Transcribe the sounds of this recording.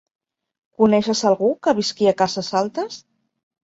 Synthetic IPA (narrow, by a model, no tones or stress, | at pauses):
kunɛʃəsalˠɣukəβiskiakazəzalˠt̪əs